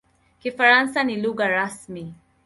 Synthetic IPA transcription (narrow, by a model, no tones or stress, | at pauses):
kifaɾansaniluɡaɾasmi